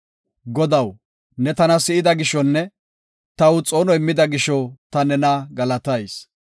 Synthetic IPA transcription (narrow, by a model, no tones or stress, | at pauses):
ɡɔd̪ɐw | nɛt̪ɐnɐsɪʔɪd̪ɐɡɪʃɔnːɛ | t̪ɐwt͡sʼo̞ːnɔɪmːɪd̪ɐɡɪʃɔt̪ɐnɛnɐɡɐlɐt̪ɐjs